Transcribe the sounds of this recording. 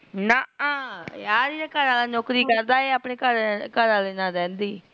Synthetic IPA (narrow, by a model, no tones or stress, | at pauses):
naãːjaːɾiːɾaːkəɾãːlãːnoːkɾiːkəɾd̪aːeːaːpneːkəɾkəɾãːleːnãːɾɛ̃ːnd̪iː